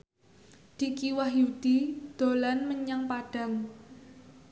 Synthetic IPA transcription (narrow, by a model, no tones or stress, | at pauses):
d̪̥i̤kiwahjud̪̥id̪̥o̤lanməɲaŋpaɖ̥ä̤ŋ